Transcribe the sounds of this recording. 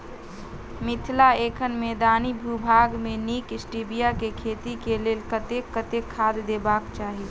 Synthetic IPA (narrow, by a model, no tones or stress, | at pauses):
mɪt̪ʰlaeːkʰənmed̪aːnibʱubʱaːɡmẽniːkɪsʈibijakekʰeːt̪ikeleːlkət̪ekət̪ekʰaːd̪d̪eːbaːkt͡ʃaːɦi